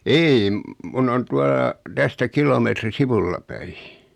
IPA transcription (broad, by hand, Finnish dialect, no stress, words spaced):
ei mun on tuɑlɑ tæstæ kilometri siʋulːɑ pæi